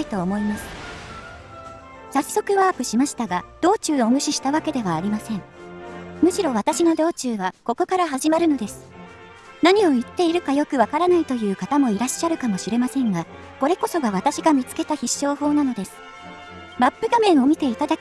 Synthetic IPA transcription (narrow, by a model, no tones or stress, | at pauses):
it̪o̞ːmo̞imasɨ̥ | sasːo̞kɯ̟βaːpɯ̟ɕimaɕi̥t̪aɡad̪̥o̞ːt͡ɕɨːomɯ̟ɕiɕi̥t̪aβake̞d̪e̞βaːɾʲimasẽ̞ɴ | mɯ̟ɕiɾo̞β̞at̪aɕino̞d̪o̞ːt͡ɕɨːβako̞ko̞kaɾaɦaʑimaɾɯ̟no̞d̪e̞sɨ̥ | naɲ̟io̞ɯt̪ːe̞iɾɯ̟kajo̞kɯ̟β̞akaɾanait̪o̞jɯ̟ːkat̪amo̞iɾaɕːaɾɯ̟kamo̞ɕiɾe̞masẽ̞ŋɡa | ko̞ɾe̞ko̞so̞ɡaβ̞at̪aɕiɡamʲit͡sɨ̥ke̞t̪açiɕo̞ːɦo̞ːnano̞d̪e̞sɨ̥ | mapːɯ̟ɡamẽ̞ɰ̃o̞mʲit̪e̞it̪ad̪ake